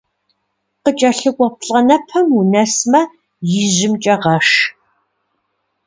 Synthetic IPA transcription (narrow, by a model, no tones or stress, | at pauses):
qət͡ʃʼɐɬɨɡʷʼɔp̚ʰɬʼɐnɐpʰɐmunɐsmɐ | jɪʑɪmt͡ʃʼɐʁɐʂ